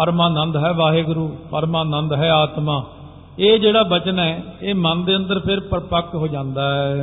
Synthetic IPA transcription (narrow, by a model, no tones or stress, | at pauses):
pəɾmãːnə̃nd̪ɦɛːʋaːɦeːɡʊɾuːpəɾmaːnə̃nd̪ɦɛːaːt̪mãː | eːd͡ʒeːɽaːbət͡ʃənɛːeːmənd̪eːə̃nd̪əɾpʰɪɾpəɾpəkɦoːd͡ʒãːnd̪aːɛː